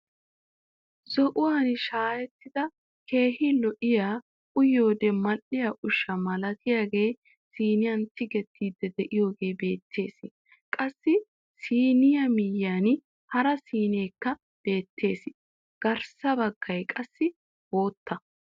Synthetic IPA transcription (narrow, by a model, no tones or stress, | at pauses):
zɔʔʊwaːnʃaːjɛt̪ːɪd̪ɐ | kʰe̞ːhɪlɔʔɪjaː | ʔʊjoːd̪ɛmɐʔɪjɐʔʊʃːɐmɐlɐt̪ɪjaːɡe̞ː | siːnɪjɐnt̪ʰɪɡɛt̪ʰːiːd̪ːɛd̪ɛʔɪjo̞ːɡe̞ːbe̞ːt̪ʰːe̞ːs | kʼɐsːɪ | siːnɪjɐmɪjːaːn | hɐɾɐsiːne̞ːkːɐ | d̪̥e̞ːt̪ʰːe̞ːs | ɡ̥ɐɾsɐbɐɡ̥ːɐjkʼɐsːɪ | bo̞ːt̪ːɐ